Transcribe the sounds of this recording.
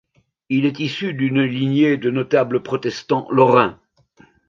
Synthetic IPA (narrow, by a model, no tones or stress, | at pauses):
ilɛt̪isyd̪ynlinjed̪ənɔt̪abləpχɔt̪ɛst̪ɑ̃lɔʁɛ̃